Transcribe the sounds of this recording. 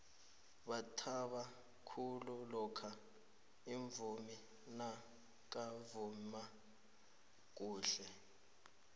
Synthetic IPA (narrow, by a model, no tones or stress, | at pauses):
ɓatʰaɓa | kʰululɔkʰa | iɱbvumi | na | k̬ʼavuma | k̬ʼuːɬɛ